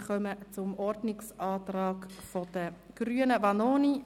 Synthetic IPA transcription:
χœmət͡sʊmɔɾdnɪksʔɑːt̪rɑːkfod̥ə | ɡ̥ryːənəvɑnoːni

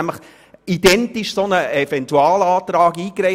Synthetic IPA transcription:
æmləχ | id̥ɛntiʃsonəɛfɛntuɑːlɑːt̪ɾɑːɡiːkɾɛɪ

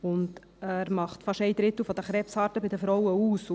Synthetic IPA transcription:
ʊnd | æːɾmɑχt̪fɑʃɛɪd̪ɾɪt̪l̩fɔd̪əχɾɛpshɑːɾtəbɪd̪əfɾɔwəuːs

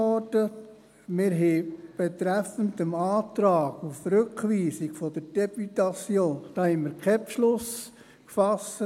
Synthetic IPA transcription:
ɔdət | mɪɾɦɛb̥ɛt̪ɾæfəntəmɑːt̪ɾɑːɡ̥ufɾʉkʋiːsikfɔd̥əɾd̥ɛbyt̪ɑt͡sjoːnd̥ɑːhɛmɪɾkʰɛpʃlʊs | kfɑsə

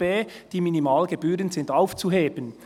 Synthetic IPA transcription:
b̥eːd̥iːminimɑːlɡeb̥yːɾənz̥ɪndaʊft͡suɦeːb̥ən

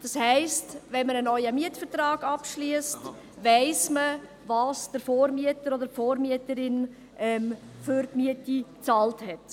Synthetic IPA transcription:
d̥ɑshɛɪstvɛnmənənɔʏəmiətfəɾtrɑːɡɑpʃliəst | væɪsmə | vɑːsd̥əɾfoːɾmiətəɾɔdəɾfoːɾmiətəɾɪn | ʔɛm | fʏɾtmiətit͡sɑːlthɛt

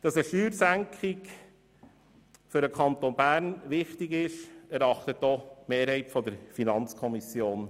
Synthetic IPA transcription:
d̥ɑsəʃyːɾsæŋkʰɪk | fʏɾəkʰɑnt̪onbæːɾnʋɪχtɪɡɪʃæɾɑχtətːɔmeːɾhɛɪtfɔdəɾfinɑnt͡skʰɔmisjoːn

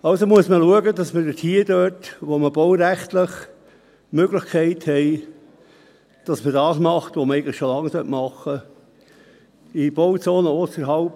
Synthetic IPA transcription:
ɑʊsomuəsməluəɡədɑsməd̥ətʰiːəd̥øːtʋoməb̥ɔwɾæχt̪ləχ | møɡlɪχkʰɛɪthɛɪ | d̥ɑsmədɑːsmɑχtʋoməɛɪɡən̩ləʃolɑŋːsœtmɑχːə | ib̥ɔwt͡soːnəosəɾɦɑlp

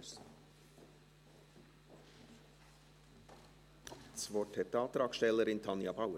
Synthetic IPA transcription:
sʋoʈʰɛt̪əɑːt̪ɾɑːkʃɛləɾɪnt̪ʰɑnjɑbʰɑʊə

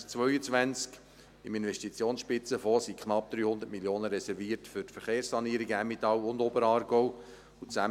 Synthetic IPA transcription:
t͡sʋœʏət͡sʋænt͡sk | ɪmɪnʋɛʃtit͡sjoːnsʃpɪt͡səfɔːsikʰχnɑp̚d̪̥ɾyːhʊnd̪ətmiljoːnəɾɛsɛɾviːətfʏtfəɾχeːɾssɑniəɾiɡæmːit̪ɑlʊnd̪ɔbəɾɑːɾɡ̥ɔw | ʊt͡sæ

